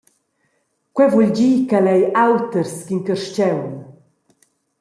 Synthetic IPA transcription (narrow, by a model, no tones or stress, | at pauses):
kwɛvuʎd͡ʑiːkalɛjawt̪əɾskiŋkəɾʃt͡ɕɛwn